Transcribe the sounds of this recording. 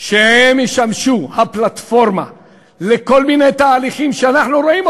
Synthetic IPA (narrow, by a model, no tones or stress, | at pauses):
ʃehemiʃamʃuhaplat̪foɾma̰ | lekolminet̪aːliχimʃeanaχnuɾoʔim